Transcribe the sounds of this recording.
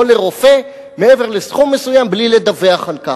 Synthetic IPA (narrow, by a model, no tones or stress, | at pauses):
ole̞ʁo̞fe̞ | meeve̞ʁlesχumːe̞sujamblile̞d̪aveaχalka